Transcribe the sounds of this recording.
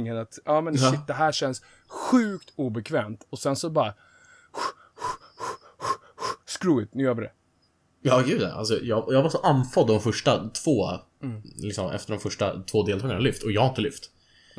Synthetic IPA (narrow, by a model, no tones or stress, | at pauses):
ŋənat̪ʔɑːmɛnʃɪt̪̚d̪ɛɦæːʂɛns | ɧʉ̟ːkt̪ʰuːbɛkʰvɛːmt̪ɔsɛnsɔbɑːɾa | skɾuːɪt̪nʉjəːɾvɪɾɛ̰ | jɑːɡʉ̟ːd̪a̰ʔa̰ls̬ɔjɑjɑːvaʂɔʔanfɔd̪ːɔmfœʂʈat̪ʰv̥oː | lɪksɔmʔɛ̰ft̪əɖɔmfœʂʈa̰t̪ʰvoːd̪eːlt̪ʰɑːɡanalʏft̪ɔjɑːɡhaɾɪnt̪əlʏft̪